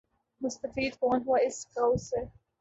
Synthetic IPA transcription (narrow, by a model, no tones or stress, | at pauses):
mʊst̪ɐfiːd̪kɔːnɦwaɪskawse